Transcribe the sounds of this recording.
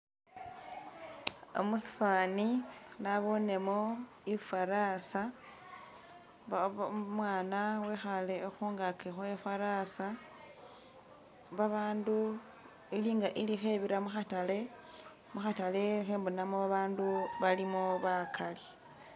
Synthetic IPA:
o̰musi̥faninaβo̞ne̞mo̞ | ifaɾasa | mwaːnawe̞xale̞oxuːŋɡakʰexoefaɾasa | βaβaːndu | iliːŋɡaʔilixeβiɾamuxatale̞ | muxatalexeːmbunamoβaβaːnduβalimoβakʰali

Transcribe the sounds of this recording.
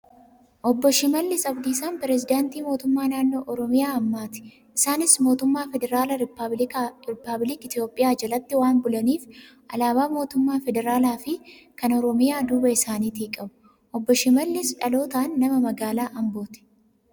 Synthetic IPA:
ʔɔbːɔʃɪmɐlːɪsɐbd̪iːsaːnpɪɾɛzɪd̪aːnt̪iːmoːt̪ʊmːaːnaːnːo̞ːʔɔɾɔmɪjaːɐmːaːt̪ɪ̥ | ʔɪsaːnɪsmo̞ːt̪ʊmːaːfɛd̪ɛɾaːlɐɾ | ɾɪpːɐblɪkɪt̪jo̞ːpʼːɪjaːd͡ʒɐlɐt̪ːɪwaːnbʊlɐniːf | ʔɐlaːbaːmo̞ːt̪ʊmːaːfɛd̪ɛɾaːlaːfɪ | kɐnɔɾɔmɪjaːd̪uːbɐɪsaːniːt̪iːkʼɐbʊ̥ | ʔɔbːɔʃɪmɐlːɪsᶑɐlo̞ːt̪aːnːɐmɐmɐɡaːlaːʔɐmbo̞ːt̪ɪ̥

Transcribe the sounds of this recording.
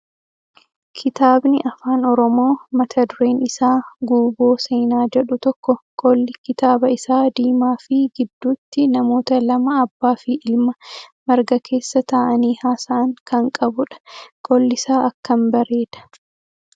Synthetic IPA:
kʰɪt̪aːbnɪʔɐfaːnɔɾɔmo̞ːmɐt̪ʰɐd̪ʊɾe̞ːnɪsaːɡuːbo̞ːse̞ːnaːd͡ʒɛᶑʊt̪ɔkːɔkʼɔlːɪkɪt̪aːbɐɪsaːd̪iːmaːfɪɡɪd̪ːuːt̪ːɪnɐmo̞ːt̪ɐlɐmɐːbːaːfiːʔɪlmɐmɐɾɡɐkʰe̞ːsːɐt̪aːʔɐniːhaːsaʔɐŋkɐŋkʼɐbʊᶑɐ̥kʼɔlːɪsaːʔɐkːɐmbɐɾe̞ːd̪ɐ̥

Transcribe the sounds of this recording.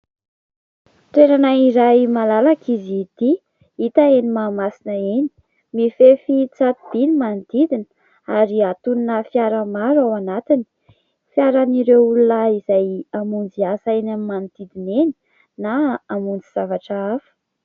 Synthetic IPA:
t̪eɾanaiɾajmalalakizid̪̥i | it̪aenimaːmasinəeni̥ | mifefit͡sat̪ib̪̥inimand̪̥id̪in | aɾiat̪unnəfjaɾəmaɾawanat̪ini̥ | fjaɾaniɾeulunaizajamund͡ziasaenamimand̪̥id̪ineni̥ | naːmund͡ziz̥avaʈ͡ʂəafə̥

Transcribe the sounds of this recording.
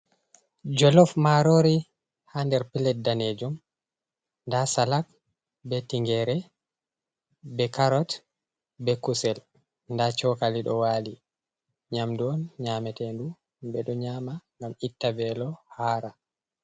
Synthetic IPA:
d͡ʒɔlɔfmaɾoɾi | handɛɾpilɛt̚daned͡ʒum | ndasalak̚ | bɛtiŋɡɛɾɛ | bɛkaɾɔt | bɛkusɛl | ndat͡ʃɔkaliɗɔwali | ɲamduɔnɲaːmɛtɛndu | bɛɗɔɲaːmaŋɡamitːabɛlɔhaːɾa

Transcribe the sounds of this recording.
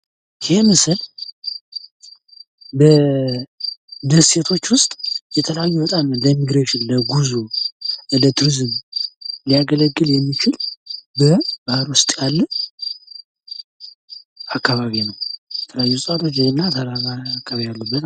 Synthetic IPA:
jɪheməsɨl | bə | d̪əsse̞t̪ʰo̞t͡ʃːwʊst̪ʼjɛt̪ʰələjajːuwət̪ʼanləmiɡɾeʃɪnləɡuzu | lət̪ʰuɾizɨm | lijaɡələɡːɨljɛmːit͡ʃʰɪlbəb̥ahɾwʊst̪ʼjalːə | akːaβaβinəwjjɛt̪ʰələjajːusʼat̪ʰo̞t͡ʃːnːad̪aaakʰːaβijalːəbːət̪

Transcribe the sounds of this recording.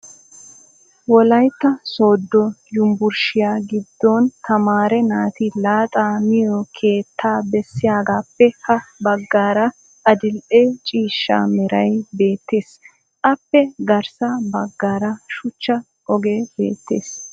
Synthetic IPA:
wɔlɐjt̪ːɐso̞ːd̪ːɔjʊmbʊɾʃɪjaːɡɪd̪ːɔnt̪ʰɐmaːɾɛnaːt̪ɪlaːt̪ʼaːmɪjɔkʰe̞ːt̪ʰːaːbɛsːɪjaːɡaːpːɛhɐbɐɡːaːɾɐ | ʔɐd̪ɪlʔet͡ʃʼiːʃːa̰ːmɛɾɐjbe̞ːt̪ːe̞ːs | ʔɐpːɛɡɐɾsabɐɡːaːɾɐʃʊt͡ʃːɐ | ʔɔɡeːbe̞̰ːt̪ːḛːs

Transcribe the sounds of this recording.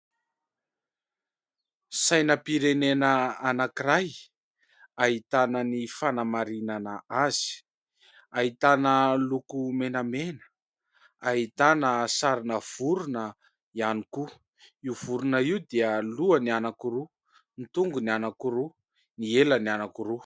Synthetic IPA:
sajnəpiɾenenəanakiraj | aɦit̪anənifanamaɾinanəaz̥i̥ | aɦit̪anəlukumenəmenə̥ | aɦit̪anəsaɾinəv̥uɾunə | ianiku | iuv̥uɾunəiwd̪iəluənianakuɾu | nit̪uŋɡunianakuɾu | nielənianakuɾu

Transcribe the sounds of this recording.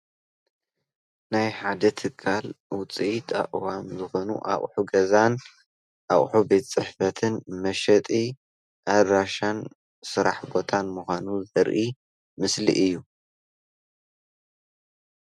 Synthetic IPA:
najħad̪ɐt̪ʰɨkʰːalwʊt͡sʼiit̪ʰʼa̰ʔʼwamzɨxo̞nṵʔa̰ʔʼħuɡɐzan | ʔaχʼħube̞t̪t͡sʼɨħfɐt̪ʰɨnmɐʃɐt̪ʼi | ʔad̪ɾaʃan | sɨɾa̰ħbo̞t̪ʰanmuxʷanuzɐɾʔi | mɨslḭʔɨjːu

